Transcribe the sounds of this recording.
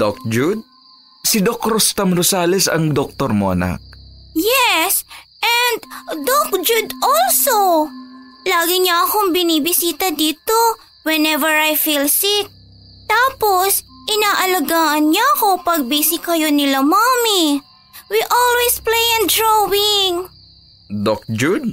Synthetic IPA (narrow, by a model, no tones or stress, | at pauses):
d̪ok̚d͡ʒud̪̚ | sɪd̪okɾost̪ɐmɾosaːlɛsɐ̰ŋd̪ok̚t̪oɾmoːɐna̰k̚jɛsʔɛnd̪d̪ok̚d͡ʒud̪ʔɔlso | laːɡɪɲaʔɐkoŋbɪnibɪsiːt̪ɐd̪iːt̪o̞ | wɛnɛvɛɹajfilsɪt̪̚ | t̪aːposʔɪnaːʔɐlɐɡaːʔɐnɲaʔɐko̞pɐɡ̚bisɪkɐjo̞nɪlamaːmi | wiʔɔlwɛsplejɛnd̪ɹowɪŋ | d̪ok̚d͡ʒud̪̚